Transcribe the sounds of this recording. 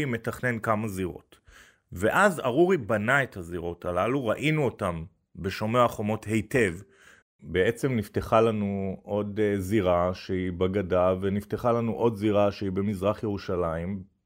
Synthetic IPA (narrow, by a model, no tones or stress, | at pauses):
ime̞taχne̞nkamaziʁo̞̰t | ve̞ʔaza̰ʁuʁibanae̞thaziʁo̞talaluʁaʔinuotam | be̞ʃomeaχo̞mo̞the̞jte̞v | bee̞t͡se̞mnifte̞χalanuʔo̞dziʁaʃeibaɡadave̞nifteχalanuʔo̞d̪ziʁaʃeibe̞mizʁaχjeʁuʃalaim